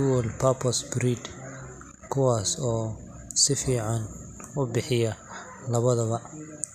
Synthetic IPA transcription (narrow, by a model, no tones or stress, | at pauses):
uwɔlpʰapʰɐsbɾiːd̪ | kʰʊwaːsɔː | sɪfiːʕɑnʊbɪħɪjɐ | lɐβɐðɐβɐ